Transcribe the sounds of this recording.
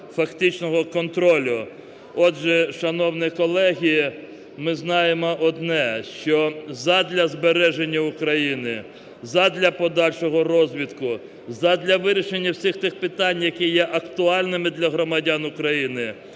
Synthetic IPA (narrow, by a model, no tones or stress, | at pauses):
fɐkt̪ɪt͡ʃnɔɦɔkɔnt̪ɾɔlʲʊ | ɔdʒɛʃɐnɔwnɪkɔlˠɛɦʲiji | mɪznɑjemɔʔɔd̪nɛʃt͡ʃɔzɐd̪lʲɐzbeɾɛʒenʲːɐukɾɐjinɪ | zɐd̪lʲɐpɔd̪ɑlʲʃɔɦɔrɔzʲʋʲit̪kʊ | zɐd̪lʲɐʋɪɾʲiʃenʲːɐwsʲixt̪ɪxpɪt̪ɑnʲjɐkɛjɛʔɐkt̪ʊɑlʲnɪmɪd̪lʲɐɦɾɔmɐdʲanʊkɾɐjinɪ